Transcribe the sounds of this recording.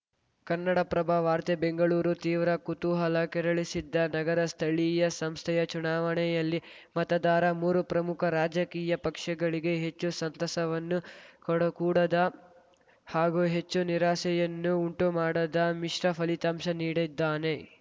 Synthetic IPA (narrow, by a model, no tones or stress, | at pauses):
kɐnːɐɽɐpɾɐbʱaːʋaːɾt̪ebeŋɡɐɭuːɾut̪iːʋɾɐkut̪uɦɐlɐkɛɾɐɭisid̪ːɐnɐɡɐɾɐst̪ʰɐɭijɐsɐmst̪ʰɛjɐt͡ʃunaːʋɐɳɛjɐlːi | mɐt̪ɐd̪aːɾɐmuːɾupɾɐmukʰɐɾaːd͡ʒɐkiːjɐpɐkʂɐɡɐɭiɡe̞ɦet͡ʃːusɐnt̪ɐsɐʋɐnːukɔɽɐkuːɽɐd̪ɐ | haːɡuɦe̞t͡ʃːuniɾaːsɛjɐnːuuɳʈumaːɽɐd̪ɐmiʂɾɐpʰɐlit̪amʃɐniːɽid̪ːaːne̞